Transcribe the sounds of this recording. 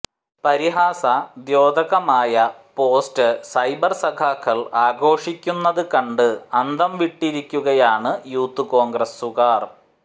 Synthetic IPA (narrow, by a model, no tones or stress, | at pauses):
pɐɾiɦaːsɐd̪jo̞ːd̪ɐɣɐmaːjɐpo̞ːstɨsɐjbɐrsɐɡʱaːkːɐɭaːɡo̞ːʂikʲːunːɐðɨkɐɳɖɨɐnd̪ʱɐmʋiʈːiɾikʲːuɣɐjaːɳɨjuːt̪ːɨko̞ːŋɡɾɐsːuɣaːr